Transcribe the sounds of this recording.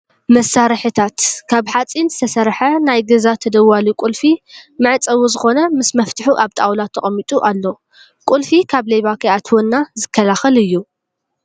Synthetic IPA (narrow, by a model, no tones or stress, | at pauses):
mɐsaɾɨħɨt̪ʰat̪kʰaβħat͡sʼinzɨ̥t̪ʰɐsɐɾħɐnajɡɐzat̪ʰɐd̪ɐwːalukʷʼulfimɨʕɨt͡sʼɐwuzɨxo̞nɐmɨsmɐft̪ʰɨħuʔaβt̪ʼawlat̪ʰːɐχʼɐmːit̪ʼuʔalːo | kʼulfikʰaβlejβakʰɐat̪ʰwɔnːazɨkʰːɐlaxɐlɨjːu